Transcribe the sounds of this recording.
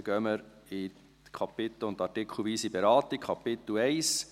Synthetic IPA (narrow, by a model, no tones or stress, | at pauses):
ɡ̥œməɾ | ɪ | kʰɑpɪt̪l̩ʊntɑɾtɪkʰl̩ʋiːsibɛɾɑːt̪ikʰɑpɪt̪l̩ɛɪs